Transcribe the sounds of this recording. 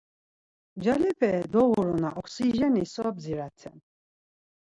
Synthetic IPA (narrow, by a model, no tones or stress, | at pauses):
d͡ʒalɛpʰɛd̪ɔɣuɾunaʔɔkʰsiʒɛnisɔːbziɾat̪ʰɛ̰n